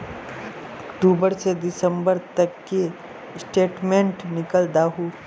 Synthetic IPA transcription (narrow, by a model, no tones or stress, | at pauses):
ɐkʈuːbəɾsed̪ɪsə̃mbəɾt̪ɐkːe | sʈeːʈmẽɳʈnɪkəld̪aːɦuː